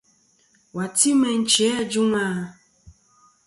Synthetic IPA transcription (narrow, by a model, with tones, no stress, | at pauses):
wa˨ti˦mɛ˨n̩˦t͡ʃi˨˦ɛ˦˨d͡ʒu˦ŋa˦˨